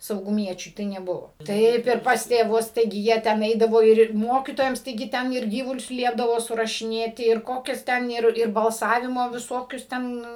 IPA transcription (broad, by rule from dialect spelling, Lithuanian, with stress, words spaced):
sɐʊɡʊˈmʲiɛt͡ʃʲʊɪ tɐɪ nʲɛˈbʊʋoː tɐɪp ɪr pɐs tʲeːˈʋʊs tɐɪˈɡʲɪ ˈjiɛ tʲɛn ˈɛɪdɐʋoː ɪr ɪr ˈmoːkʲiːtoːjɛms tɐɪˈɡʲɪ ˈtʲɛn ɪr ˈɡʲiːʋʊlʲʊs ˈlʲiɛbdɐʋoː sʊrɐʃʲɪˈnʲeːtʲɪ ɪr ˈkoːkʲɛs ˈtʲɛn ɪr ɪr bɐlˠˈsɑːʋʲɪmoː ʋʲɪˈsoːkʲʊs ˈtʲɛn